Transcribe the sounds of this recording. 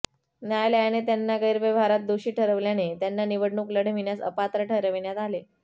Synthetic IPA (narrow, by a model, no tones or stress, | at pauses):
njajləjanet̪janːaɡəjɾʋeʋaɾat̪̚d̪uɕiːʈʰəɾəʋljanet̪janːaniʋəɽɳuːkləɽ̤əm̤iɳjasə̰pat̪ɾəʈʰəɾəʋiɳjat̪ale